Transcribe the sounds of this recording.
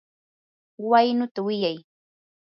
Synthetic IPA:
wajnʊt̪awɪjaj

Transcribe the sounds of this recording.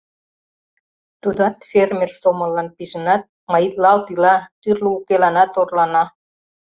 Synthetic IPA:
t̪ud̪ɑt̪fermersomə̆lːɑnpiʒənɑt̪̚ | mɑjit̪lɑlt̪ilɑt̪yrləukelɑnɑt̪orlɑnɑ

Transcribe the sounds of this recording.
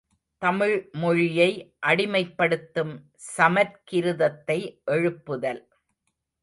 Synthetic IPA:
t̪ɐmɪɻmɔɻɪjɐɪʔɐɽɪmɐɪpːɐɽɯt̪ːɯm | sɐmɐɾkɪɾɯðɐt̪ːɐɪʔɛɻɯpːɯðɐl

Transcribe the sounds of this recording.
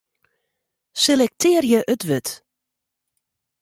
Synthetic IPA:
selɛk̚tʰɪːrjəʔøtʋøt

